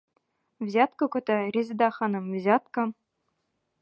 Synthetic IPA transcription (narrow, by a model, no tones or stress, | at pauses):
vʲzʲɑt̪kɤ̆kɤ̆t̪ʲɘ̆rʲezʲd̪ɑχɑnɤ̆mvʲzʲɑt̪kɤ̆